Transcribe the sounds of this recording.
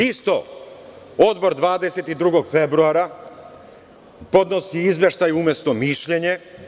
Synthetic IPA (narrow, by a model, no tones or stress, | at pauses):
ist̪o | od̪bo̞ɾd̪ʋaːd̪e̞set̪id̪ɾuɡo̞ɡfebɾuaɾa | po̞d̪no̞siizʋeʃt̪ajuumje̞st̪omiʃʎeɲe